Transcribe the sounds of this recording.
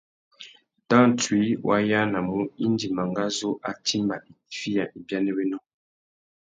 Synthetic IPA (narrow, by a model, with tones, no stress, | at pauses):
tã˦n˨twi˨˦wʔa̰˦ja˦na˨mu˦i˦n˦di˨ma˨ŋɡa˦zo˦ʔa˨tʰi˦mba˨i˨fi˦ja˨ʔi˨bja˦nɛ˦wɛ˦nɔ˦